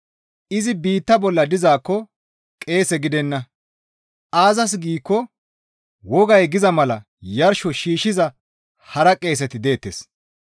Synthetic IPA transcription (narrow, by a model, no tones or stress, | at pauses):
ʔɪzɪbiːt̪ːɐbɔlːɐd̪ɪzaːkːɔ | kʼe̞ːsɛɡɪd̪ɛnːɐ | ʔaːzɐs̬ɡiːkːɔ | wɔɡɐjɡɪzɐmɐlɐ | jɐɾʃɔʃiːʃɪzɐ | hɐɾɐkʼe̞ːs̬ɛt̪ɪd̪e̞ːt̪ːes